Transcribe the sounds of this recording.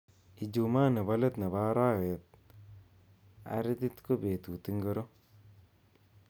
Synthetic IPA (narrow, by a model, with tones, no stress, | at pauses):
i˨d͡ʒu˨maː˦ne˨ba˦le˦t̪ne˨ba˦ɾa˦we˨t̪̚ | a̰˨ɾɪ˦t̪i˦t̪ko˦be˨t̪u˨t̪i˦ŋɡə˦ɾo˦